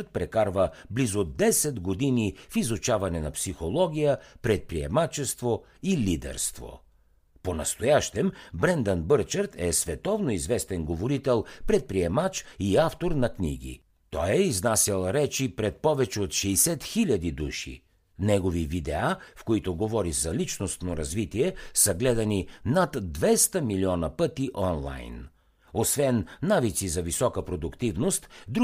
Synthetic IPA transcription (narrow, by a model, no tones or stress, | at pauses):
t̪̚pɾɛkaɾvəblizod̪ɛsɛd̪ɡod̪inifizut͡ʃavɐnɛnɐpsixolˠɔɡ̟ʲijəpɾɛt̪̚pɾiɛ̰mat͡ʃɛst̪vo | ilid̪ɛ̰ɾst̪vo̰ | ponɐst̪ojaʃt̪ɛmbɾɛnd̪ənbɤɾt͡ʃəɾt̪ɛsvɛt̪ɔvnoizvɛst̪ɛnɡovoɾit̪ɛlˠpɾɛt̪̚pɾiɛmat͡ʃiaft̪oɾnɐknḭɡ̟ḭ | t̪ɔjɛiznasəlˠɾɛt͡ʃipɾɛt̪̚pɔvɛt͡ʃɛot̪ʃɛisɛt̪xilʲɐd̪id̪uʃḭ | nɛɡovivid̪ɛafkoit̪oɡovɔɾizɐlit͡ʃnost̪noɾɐzvit̪iɛsəɡlɛd̪ɐninat̪d̪vɛst̪əmiliɔnɐpɤt̪iʔɔnlˠa̰jn | osvɛnːavit̪sizɐvisɔkəpɾod̪ʊkt̪ivnost̪d̪